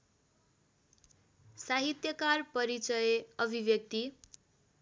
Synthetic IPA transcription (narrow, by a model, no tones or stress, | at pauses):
saɦit̪jʌkarpʌɾit͡sʌjeʌbʱibjʌk̚t̪i